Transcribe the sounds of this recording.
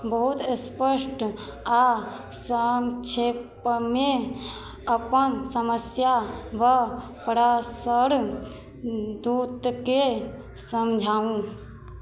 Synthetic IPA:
bəɦut̪əspəʃʈ | a | səŋt͡ʃʰep | mẽ | əpənsəməsjaʋəpəɾasəɾ | d̪ut̪ke | səmd͡ʒʱaːũ

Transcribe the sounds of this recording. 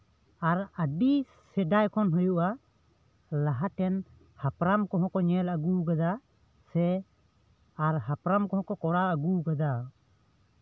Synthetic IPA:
aɾəɖi | sɛɖajkʰɔnɦɔjuʔa | laɦaʈɛn | hapɾamkɔɦɔ̃kɔɲɛləɡuɡad̪a | sɛ | aɾɦapɾamkɔɦɔ̃kɔkɔɽaəɡuɡad̪a

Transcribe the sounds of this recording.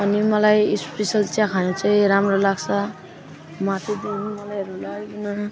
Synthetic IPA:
ʌnimʌlajispesʌlt͡sakʰanũt͡sʌjɾamɾolaɡt͡sʰʌ | mat̪id̪inmʌlajɾulakinʌ

